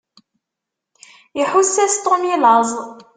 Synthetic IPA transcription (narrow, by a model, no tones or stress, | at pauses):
jəħusːæst̪ˤomilɑzˤ